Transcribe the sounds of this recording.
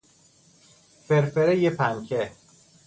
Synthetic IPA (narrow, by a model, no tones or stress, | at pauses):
feɾfeɾejepʰæŋcʰe